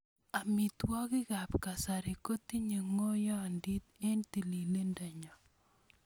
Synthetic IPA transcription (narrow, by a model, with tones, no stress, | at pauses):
a˨mi˨t̪wɔ˦kɪ˦ka˨pka˨sa˨ɾi˨ko˦t̪i˦ɲe˨ŋo˦jɔ˦ndi˦t̪e˦nt̪i˨li˨le˦nda˨ɲɔ˨